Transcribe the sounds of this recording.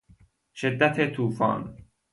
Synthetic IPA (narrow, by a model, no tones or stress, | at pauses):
ʃed̪ːæt̪ʰet̪ʰuːfɒ̰ːn